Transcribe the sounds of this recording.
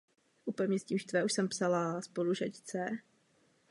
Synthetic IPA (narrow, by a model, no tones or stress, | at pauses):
ʔupɛmɲɛsciʃt̪vɛʔuʃsɛmpsalaspoluʒact͡sɛ